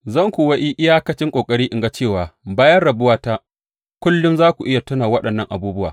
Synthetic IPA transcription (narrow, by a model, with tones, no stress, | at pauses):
zɐ˦˨ŋkʷu˨wɐ˦ʔi˦ʔɪ˦jaː˦kɐ˦t͡ʃɪ˦ŋkʷʼoː˨kʼɐ˦ɽiː˦ʔɪ˨ŋɡa˦t͡ʃeː˦˨waː˨baː˦jɐ˦rɽɐ˨bʊ˦waː˦ta˦ | kʷʊ˦lːʊ˦mzaː˦kʷu˨ʔɪ˦ja˨tʊ˦naː˨wɐ˦ɗɐ˨nːɐ˦˨ŋʔa̰˨buː˦bʊ˦waː˨